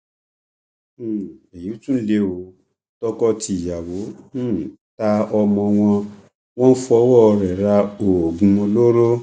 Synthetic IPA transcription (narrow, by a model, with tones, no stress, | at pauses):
e˨ju˨˦tũ˦le˧o˨˦ | tɔ˦kɔ˦ti˧i˨ja˨wõ˨˦˨ | ta˧ɔ˧mɔ̃˧w̃ɔ̃˧ | w̃ɔ̃˦n̩˦fu˧ɔ˧˦wɔ˦˧ɾɛ˨ɾa˧o˨ɡũ˨˧o˧lo˦ɾo˦